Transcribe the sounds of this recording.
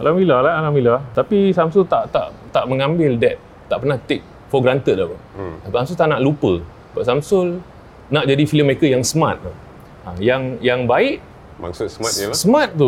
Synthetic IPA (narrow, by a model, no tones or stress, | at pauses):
alamilalahalamilɔt̪apisamsʊlt̪aʔt̪a̰ʔt̪aʔməŋãmbɪldɛt̪̚ːaʔpərnaht̪ɪk̚ | fɔɡɾant̪ət̪̚lapaapsamsut̪aʔnaʔlupə | baʔsamsʊl | naʔd͡ʒadifiləməɾekəjaŋsəmã̰t̪̚a | ãjaŋjaŋbaɪʔ | ma̰ŋsʊt̪səmat̪̚əlasəmãt̪̚t̪u